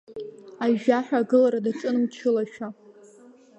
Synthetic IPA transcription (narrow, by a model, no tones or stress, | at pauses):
aʒᶣaħʷᶣaːɡɨlaɾadaʈ͡ʂʼɨnmt͡ʃʰɨlaʃᶣa